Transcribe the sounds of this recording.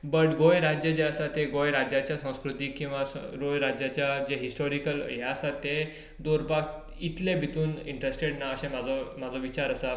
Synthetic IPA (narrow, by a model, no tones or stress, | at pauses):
bəʈɡojɾad͡ʑjəd͡ʑeəsat̪eɡojɾad͡ʑjat͡ɕjasə̃w̃skɾut̪iːkĩw̃ʋasɾojɾad͡ʑjat͡ɕjad͡ʑeɦisʈoɾikəlɦjaəsat̪ːe | d̪oɾbaɡ | it̪lebʱit̪uːniɳʈɾesʈeɽnaəɕẽm̤ad͡zʱɔm̤ad͡zɔʋit͡ɕaɾəsa